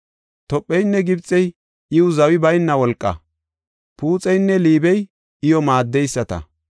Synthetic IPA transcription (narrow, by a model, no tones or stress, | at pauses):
t̪ɔpʼːɛjnːɛɡɪbt͡sʼːɛj | ʔɪʊzɐwɪbɐjnːɐwɔlkʼːɐ̰ | puːt͡sʼɛjnːɛliːbɛj | ʔɪjɔmaːd̪ːɛjsːɐt̪ɐ̰